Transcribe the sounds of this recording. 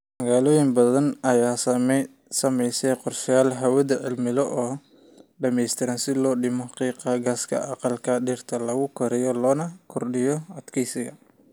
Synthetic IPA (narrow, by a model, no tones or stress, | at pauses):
mɐɣaːlɔːjɪmbɐðɐnɐjaːsɐm | sɐmɛjsɛjqɔrʃjaːlɦɐwɐðɐʕɪ̰lmɪlɔʔɔː | ɖɐmɛjst̪ʰɪɾɐnsɪlɔːɖɪmɔqiːqɑɡaːskʰɐ̰ʔɑqɑlkʰɐɖɪrt̪ʰɐlɐɣʊkʰɔɾɛjɔlɔːnɐkʰɔrɗɪjɔɐd̪kʰɛjsɪɣɐ